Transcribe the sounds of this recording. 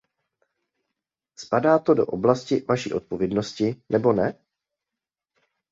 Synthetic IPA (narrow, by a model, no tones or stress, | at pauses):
spadaːt̪o̞do̞̰ʔo̞blascɪvaʃḭːʔo̞t̪̚po̞vjɛdno̞scɪnʔɛbo̞nɛ